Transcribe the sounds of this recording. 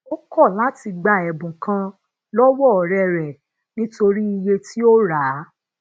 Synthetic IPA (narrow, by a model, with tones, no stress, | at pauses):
o˦kɔ˦˨la˨˦ti˧ɡ͡ba˧˨ɛ˨bũ˨kã˧ | lɔ˦wɔ˦ɔ˨ɾɛ˨ɾɛ˨ | nĩ˦to˧ɾi˦i˧je˧ti˦o˦ɾa˨˦